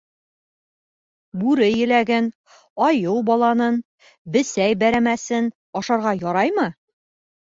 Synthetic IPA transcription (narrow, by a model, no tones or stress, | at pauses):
bʉɾɘjɘ̆læɡɘn | ɒjɤwbɒlˠɑnɤn | bɘ̆sæjbæɾæmæsɘn | ɒʃɑɾʁɑjɒɾɑjmɤ